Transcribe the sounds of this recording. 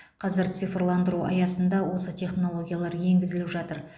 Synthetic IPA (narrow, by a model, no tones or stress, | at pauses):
qʰɑzɪɾt̪sɨjfrlˠɑnd̪əɾuɑ̰jɑsənd̪ɑwo̞sət̪ʰʲe̞χno̞lˠo̞ɡʲijalˠɑɾje̞ŋɡʲɪzɪlɪpʒɑt̪əɾ